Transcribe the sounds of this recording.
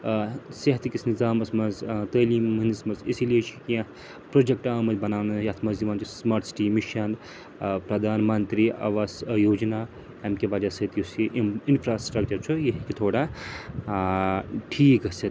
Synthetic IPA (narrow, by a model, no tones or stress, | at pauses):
seɦɐt̪kisnizaːmɐsmɐnzt̪ɐːliːmɐnɐsmɐzesilijet͡ʃʰikiã | pɾod͡ʒek̚ʈaːwmɐbɐnaːwnɐjɐt̪ʰmɐzd̪imaːnt͡ʃʰismaːɾʈ̪si̥ʈimiʃɐn | pɾɐd̪ʱaːnmɐnt̪ɾia̰ʋasjoːd͡ʒna | ɐmkeʋɐd͡ʒasɐɦit̪jusiʔinpʰɾaːsʈɾɐk̚t͡ʃɐɾt͡ʃʰujeɦikit̪ʰoːɽa | ʈʰiːkɐsʰɐ